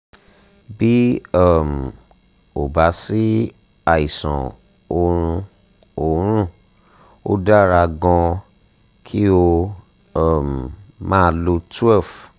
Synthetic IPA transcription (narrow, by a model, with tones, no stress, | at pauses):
bi˦ɔ˦˨m̩˨ | o˨ba˨˦si˦ | a˦i˨sɔ̰̃˨ | o˧ɾ̃ũ˧ | o˨ɾũ˦ | o̰˦da˦ɾa˧ɡɔ̃˧ | kʰi˦o˧˦˨ | m˨mãː˦˧lo˧tu˦ɛ˦˨f